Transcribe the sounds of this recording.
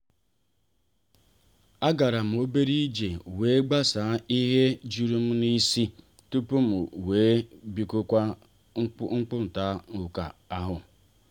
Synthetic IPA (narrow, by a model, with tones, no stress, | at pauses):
a˦ɡa˨ɾa˨m̩˨o˦be˦ɾi˦d͡ʒe˨weː˨˦ɡ͡ba˦sa˨˦i˦ɦe˦d͡ʒu˦ɾu˦m̩˦ni˦si˦ | tu˦pu˦m̩˨weː˨˦bi˦ko˦kʷa˦ | ŋ͡m̩˦k͡pʊ˦n̩˨ta˦ʊ˨ka̰˨a˦ɦʊ˨